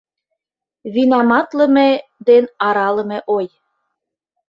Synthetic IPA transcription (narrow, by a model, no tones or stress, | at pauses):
βinɑmɑt̪lə̆med̪enɑɾɑlə̆mĕʔoj